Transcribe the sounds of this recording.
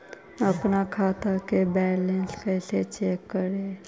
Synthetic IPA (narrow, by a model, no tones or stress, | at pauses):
əpnakʰaːt̪akebɛːlɛ̃nskɛːset͡ʃeːkːəɾeː